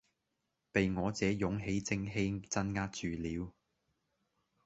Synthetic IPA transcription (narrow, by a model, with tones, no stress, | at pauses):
pe˨jŋɔː˨˧t͡sɛː˨˥jʊ˨˥ŋɦe˨˥jt͡sɪ˥ŋɦe˥t͡sɐ˥nŋaː˥t̚t͡ʃyː˨liː˨˥w